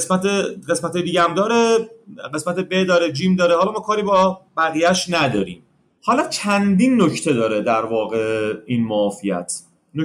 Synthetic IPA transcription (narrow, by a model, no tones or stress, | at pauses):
esmæt̪eɢe̞smæt̪ʰejed̪iːɟææmd̪ɒːɾeɢe̞smæt̪ebed̪ɒːɾed͡ʒiːmd̪ɒːɾehɒːlɒmɒːkʰɒːɾiːbɒːbæɣijæʃnæd̪ɒːɾḭːm | hɒːlɒt͡ʃʰænd̪inːocʰt̪ʰe̞d̪ɒːɾed̪æɾvɒːɣeinmɒːfijæ̰t̪ʰ | no